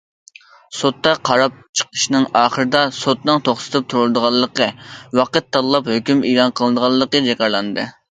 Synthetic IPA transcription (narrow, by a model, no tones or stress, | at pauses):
sot̪ːɑqʰɑɾɑp̚t͡ʃʰə̥qʰəʃnɨŋɑːχəɾɨd̪ɑsot̪nɨŋt̪ʰoχsɨ̥t̪ʰɨp̚t̪ʰuɾulˠɨd̪əʁɑlˠːəqəwɑqət̪ːɑllˠɑphøkʲymiːlˠɑnqʰəlˠɨd̪əʁɑlˠːəqəd͡ʒɛkʲɑɾlˠɑnd̪ɨ̰